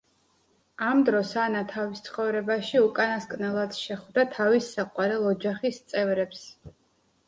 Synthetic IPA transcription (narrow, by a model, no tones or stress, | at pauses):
amd̪ɾɔsanat̪ʰavist̪sʰχɔvɾɛbaʃiukʼanaskʼnɛlˠad̪sʃɛχvd̪at̪ʰavisːaqʼwaɾɛlˠɔd͡ʒaχist̪sʼɛvɾɛps